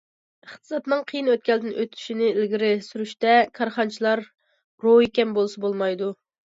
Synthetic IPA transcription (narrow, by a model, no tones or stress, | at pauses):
əχt̪ɨ̥zɑt̪nɨŋqʰəjinøt̪̚kʲɛld̪ɪnʔø̰t̪ʰy̥ʃinɪɪlɡʲiɾɪsyɾyʃt̪ɛkʰɑɾχɑnt͡ʃʰilˠɑɾ | ɾoekʲɛmbolˠsɑbolˠmɑjd̪u